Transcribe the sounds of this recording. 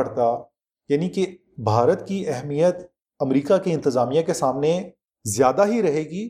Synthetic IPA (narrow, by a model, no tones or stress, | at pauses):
ɐɾt̪a | jaːnike | bʱaːɾət̪kiʔɛɦmijət̪ | ɐmɾiːkakiɪ̃nt̪əzaːmijãkesaːmne | zjaːd̪aɦiɾɐɦeːɡiː